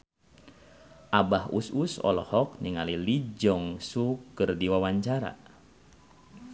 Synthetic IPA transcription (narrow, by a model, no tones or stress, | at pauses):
ʔabahṵsusɔ̰lɔ̰hɔk̚niŋalilid͡ʒɔŋsukɨrdiwawaɲt͡ʃaɾa̰